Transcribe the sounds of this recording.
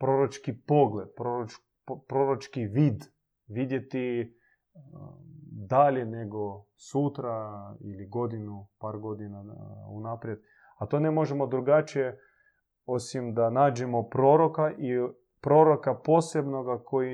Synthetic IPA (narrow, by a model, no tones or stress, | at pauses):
pɾoɾot͡ʃkipo̞ɡled̪̚pɾoɾot͡ʃ | pɾoɾot͡ʃkiʋiːd̪ | ʋid̪je̞t̪i | d̪aleneɡo | sut̪ɾailiɡo̞d̪inupaːɾɡo̞d̪inaṵnaːpɾjed̪̥ | at̪oːnemo̞ʒemo̞d̪ɾuɡat͡ʃije | o̞simd̪anaːd͡ʒemo̞pɾo̞ːɾo̞kaʔi | pɾo̞ɾo̞kapo̞ːsebno̞ɡakʰo̞ji